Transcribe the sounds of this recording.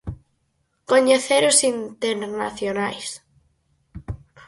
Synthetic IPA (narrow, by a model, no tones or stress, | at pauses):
koɲeθeɾosint̪eɾnaθjonajs